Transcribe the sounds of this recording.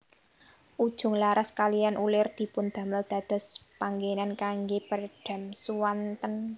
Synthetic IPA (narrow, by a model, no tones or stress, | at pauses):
ʔud̥ʒ̥ʊ̤ŋlaɾaskalijanʔulɪrd̪̥i̤pʊnd̪̥ä̤məld̪̥a̤d̪̥ɔ̤spaŋɡenankaŋɡepərɖ̥a̤msuwant̪ən